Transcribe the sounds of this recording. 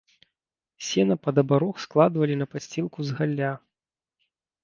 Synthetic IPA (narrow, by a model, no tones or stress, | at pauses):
sʲɛnɐpɐd̪ɐbaɾɔxsklˠad̪vɐlʲinɐpasʲt͡sʲilˠkuzɣalʲːa